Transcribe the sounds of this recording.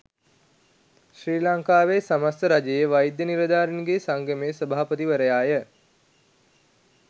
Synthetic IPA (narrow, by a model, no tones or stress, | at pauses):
ʃɾiːlaŋkaːʋeːsamast̪əɾad͡ʒəjəʋajd̪jəniɾəd̪aːɾinɡesaŋɡəmesəbaːpət̪iʋəɾəjaːjə